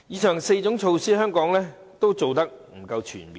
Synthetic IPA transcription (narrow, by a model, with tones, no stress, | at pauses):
jiː˨˧t͡ʃʰœː˨˩ŋse˧jt͡sʊ˨˥ŋt͡ʃʰo˧wsiː˥hœː˥ŋkɔː˨˥ŋlɛː˥ | t̪o˥wt͡so˨wt̪ɐ˥k̚m̩˨˩kɐ˧wt͡ʃʰy̰ː˨˩npiː˧